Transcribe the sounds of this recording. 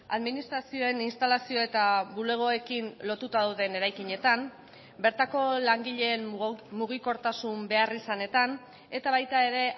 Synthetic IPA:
a̰ðminist̪ɾasio̞e̞ninst̪alasio̞e̞t̪aβule̞ɣ̞o̞e̞kinlo̞t̪ut̪aðawðe̞ne̞ɾajkiɲe̞t̪am | be̞ɾt̪ako̞laŋɡiʎe̞ːmmuɣ̞iko̞ɾt̪asumbe̞arisane̞t̪an | e̞t̪aβajt̪ae̞ɾe̞

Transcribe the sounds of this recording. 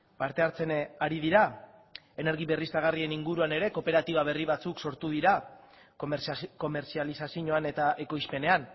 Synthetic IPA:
paɾt̪e̞aɾt͡se̞naɾiðiɾa | e̞ne̞ɾɣ̞iβe̞rist̪aɣarie̞niŋɡuɾuane̞ɾe̞ko̞pe̞ɾat̪iβaβ̞e̞riβ̞at͡sukso̞ɾt̪uð̞iɾa | ko̞me̞ɾsialisasiɲo̞ane̞t̪aʔe̞ko̞jspe̞ne̞an

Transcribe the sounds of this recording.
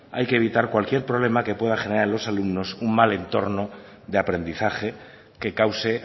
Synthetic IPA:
a̰jke̞ːβ̞it̪aɾkwalkje̞ɾpɾoβle̞make̞pwe̞ðaχe̞neɾaɾelo̞salumno̞summale̞nt̪o̞ɾno̞ | ðe̞apɾe̞nd̪iθaxe̞ | ke̞kawse̞

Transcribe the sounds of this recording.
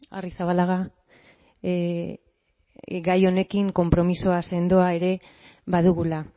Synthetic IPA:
a̰risaβalaɣa | ɡajo̞ne̞kiŋko̞mpɾo̞miso̞ase̞nd̪o̞ae̞ɾe̞ | βaðuɣula

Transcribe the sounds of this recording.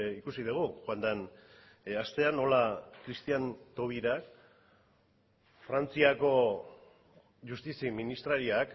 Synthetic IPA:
ikusiðuɣ̞uxoand̪an | ast̪e̞ano̞lakɾist̪iant̪o̞β̞iɾak | fɾant͡siako̞ | ʝust̪isiminist̪ɾaɾioak

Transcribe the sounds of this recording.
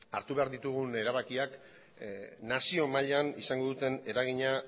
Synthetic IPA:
aɾt̪uβe̞aɾðit̪uɣ̞une̞ɾaβakiak | nasio̞maʎanisaŋɡo̞ðut̪e̞ne̞ɾaɣ̞iɲa

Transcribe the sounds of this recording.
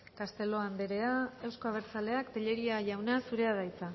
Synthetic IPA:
kast̪e̞lo̞and̪eɾe̞aewsko̞aβ̞e̞ɾt͡sale̞akt̪eʎe̞ɾiaʝawnasuɾe̞aðajt͡sa

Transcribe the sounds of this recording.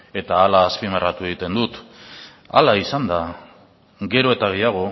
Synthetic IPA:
e̞t̪aːlaːspimarat̪ue̞ɣ̞it̪e̞nd̪ut̪ | a̰laisand̪a | ɡe̞ɾo̞e̞t̪aɣ̞e̞jaɣ̞o̞

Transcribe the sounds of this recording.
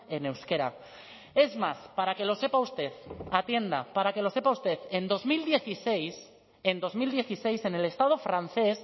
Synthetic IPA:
e̞ne̞wske̞ɾa̰ | e̞zmaspaɾake̞lo̞se̞pawst̪e̞ðat̪je̞nd̪a̰paɾake̞lo̞se̞pawst̪e̞ðe̞nd̪o̞zmild̪je̞θisejs | end̪o̞zmild̪je̞θise̞jse̞ne̞le̞st̪að̞ofɾan̟θe̞s

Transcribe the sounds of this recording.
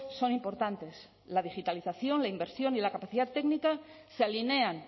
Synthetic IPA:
so̞nimpo̞ɾt̪ant̪e̞s | lað̞ixit̪aliθaθjo̞nlaimbe̞ɾsjo̞nilakapaθiðat̪ːe̞knikasealine̞an

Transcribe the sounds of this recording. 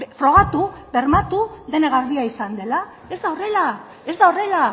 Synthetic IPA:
fɾo̞ɣ̞at̪ubeɾmat̪uðe̞neɣaɾβiaisand̪e̞la | e̞zd̪aore̞la | e̞zd̪aore̞la

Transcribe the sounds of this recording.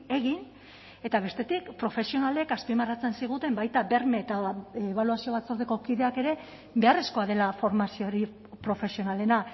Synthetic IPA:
e̞ɣin | e̞t̪aβ̞e̞st̪e̞t̪ikpɾo̞fe̞sio̞nale̞kaspimarat͡se̞nsiɣ̞ut̪e̞mbajt̪abe̞ɾme̞ːt̪aβ̞aluasio̞βat͡so̞ɾðeko̞kiðe̞ake̞ɾe̞ | be̞are̞sko̞aðe̞lafo̞ɾmasio̞ɾi | pɾo̞fe̞sio̞nale̞na

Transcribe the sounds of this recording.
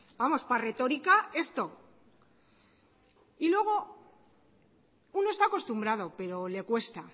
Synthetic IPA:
bamo̞spare̞t̪o̞ɾikae̞st̪o̞ | ilwe̞ɣ̞o̞ | uno̞est̪ako̞st̪umbɾað̞o̞pe̞ɾo̞le̞kwe̞st̪a

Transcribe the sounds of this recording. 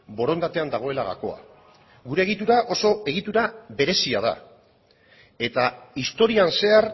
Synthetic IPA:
bo̞ɾo̞nd̪at̪e̞and̪aɣ̞o̞e̞laɣa̰ko̞a̰ | ɣuɾe̞ːɣ̞it̪uɾaʔo̞so̞e̞ɣ̞it̪uɾaβe̞ɾe̞siað̞a̰ | e̞t̪aist̪o̞ɾianse̞ar

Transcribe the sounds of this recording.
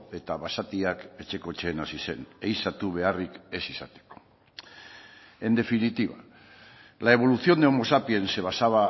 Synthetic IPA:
e̞t̪aβasat̪iake̞t͡ʃe̞ko̞et͡ʃe̞ːnasise̞̰nejsat̪uβ̞e̞arike̞sisat̪e̥ko̞̥ | e̞nd̪e̞finit̪iβa | lae̞β̞o̞luθio̞nd̪eomo̞sapie̞nse̞βasaβa

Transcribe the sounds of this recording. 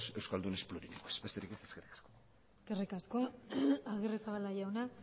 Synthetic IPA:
se̞wskald̪une̞spluɾinikoesbe̞st̪e̞ɾikeseskerikḁsko | skerikasko̞aɣiresaβalaʝawna

